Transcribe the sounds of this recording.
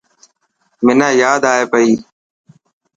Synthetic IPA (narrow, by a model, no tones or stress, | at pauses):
mɪnãːjaːd̪aːɦeːpəiː